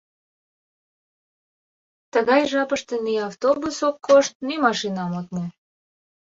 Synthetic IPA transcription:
t̪əɣɑjʒɑpəʃt̪eniɑft̪obusokːoʃt̪̚nymɑʃinɑmot̪̚ne

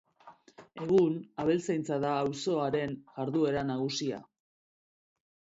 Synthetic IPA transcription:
e̞ɣunaβe̞lt͡sajnt͡saðaːwso̞aɾe̞nʝaɾðue̞ɾanaɣusia̰

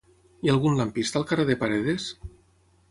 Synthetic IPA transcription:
ialˠɣunlampist̪alˠkareðepaɾeðes

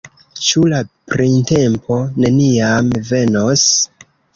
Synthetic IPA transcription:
t͡ʃulapɾinte̞mpʰo̞ne̞niamve̞no̞s

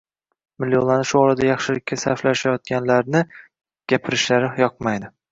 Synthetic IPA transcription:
mɪlːjonlanɪʃʊɒɾad̪ajɑχʃɪlɪkʲʰːasaɾflaʃajɒt̪̚ɡʲanlaɾnɪ | ɡ̥ʲapʰɪɾɪʃlaɾɪjɒq̚majd̪ɪ

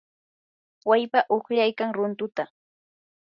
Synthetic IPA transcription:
wajpaʔoχʎajkaŋɾʊnt̪ʊt̪a

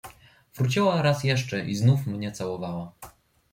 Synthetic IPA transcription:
vɾut͡ɕiwaɾasjɛʂt͡ʂɛʔiznufmɲɛt̪sawɔvawa

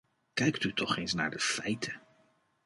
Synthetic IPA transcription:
kɛjktytʰɔχejnsna̰ːɹdəfɛjtʰə

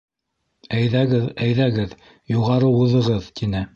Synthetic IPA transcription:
æjðæɡɘðæjðæɡɘð | juʁɑɾɤuðɤ̆ʁɤðt̪inɘ

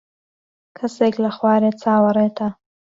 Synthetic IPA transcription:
kʰɐseklaχwɑːɾet͡sʰaːwɐɾet̪ʰa

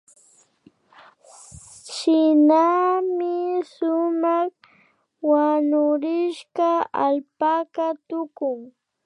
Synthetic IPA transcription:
ʃɪnamɪsʊmɑχ | wanʊɾɪʃɢaalpakat̪ʊkʊŋ

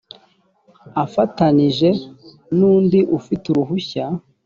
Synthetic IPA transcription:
afataniʒe̞ | nuːndiʔufituɾuɦuça

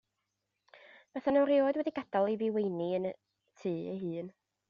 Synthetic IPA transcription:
v̥ɛθanɛwɾioːdwɛdiɡ̥ad̥alˠiviwejniənə | tʰɨːə̰ɦɨːn

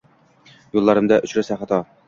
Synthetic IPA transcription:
julˠːɑɾɤ̆md̪ɑʔɵ̆ɕɾɘsæχɑt̪ɑ

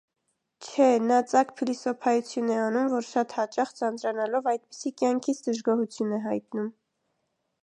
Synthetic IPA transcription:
t͡ʃʰɛnɑt͡sɑkpʰilisɔpʰɑjut͡sʰjunɛɑnumvɔɾʃɑt̪hɑt͡ʃɑχt͡sɑnt͡sɾɑnɑlɔvɑjd̪̚pi̥sikjɑŋkʰit͡sʰd̪əʒɡɔhut͡sʰjunɛɦɑjt̪num

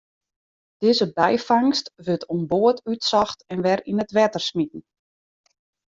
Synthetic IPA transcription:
d̥ɪːzəbɛjfaŋstʋøtʰomboətytsɔxtɛnʋɛrinətʋɛtərsmitn̩

